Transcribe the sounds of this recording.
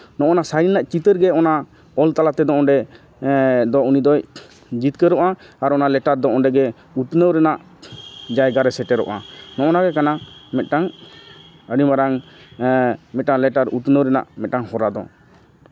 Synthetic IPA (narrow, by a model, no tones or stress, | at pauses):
nɔʔɔnasaɾinlaʔt͡ʃit̪əɾɡɛɔna | ɔlt̪alat̪ɛd̪ɔɔɳɖɛ | d̪ɔunid̪ɔj | d͡ʒit̪kəɾɔʔaaɾɔnalɛʈaɾd̪ɔɔɖɛɡɛ | ut̪nəwɾɛnaʔ | d͡ʒajɡaɾɛsɛʈɛɾɔ̰ʔa̰nɔʔɔnaɡɛkanamɛt̪̚ʈaŋ | əɖibaɾaŋ | mɛt̪̚ʈaŋlɛtʈaɾut̪nəwɾɛna̰ʔmɛt̪̚ʈaŋhɔɾad̪ɔ̰